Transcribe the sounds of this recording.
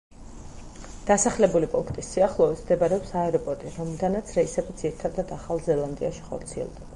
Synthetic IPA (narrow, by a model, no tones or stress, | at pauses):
d̪̥asaχlɛbulipʼuŋkʰt̪ʼisːiaχlˠɔɛsmd̪ɛbaɾɛɔpsaɛɾɔpʼɔɾt̪ʼiɾɔmlˠd̪anat̪sʰɾɛisɛbid̪z̥iɾit̪ʰad̪ad̪aχalˠzɛlˠand̪ḭaʃi̥χɔ̰ɾt̪sʰiɛ̰lˠd̪ɛba